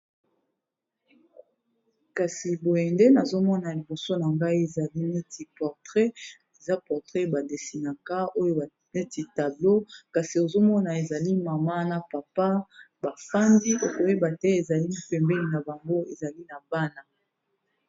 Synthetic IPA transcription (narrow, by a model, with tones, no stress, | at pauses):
ka˨si˨bo˨jɛ˨nde˦na˨zo˦mɔ˦na˨li˨bo˨so˦na˨ŋɡa˦i˦e˨za˨li˦ne˦ti˨pɔ˨ʁtʁɛ˦ | e˨za˦pɔ˨ʁtʁɛ˦ba˨de˨si˨na˨ka˦o˦jo˦ba˨ | ne˦ti˨ta˨blo˦ka˨si˨o˨zo˦mɔ˦na˨e˨za˨li˦ma˨ma˦na˨pa˨pa˦ | ba˨fa˦ndi˦o˨ko˨e˦ba˨tɛ˦e˨za˨li˦li˦pɛ˨mbɛ˦li˨na˨ba˨ŋɡo˦e˨za˨li˦na˨ba˦na˨